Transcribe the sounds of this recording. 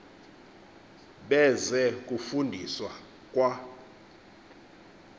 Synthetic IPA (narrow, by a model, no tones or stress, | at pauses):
ɓɛzɛk̬ʼufundʱiswa | kʼwa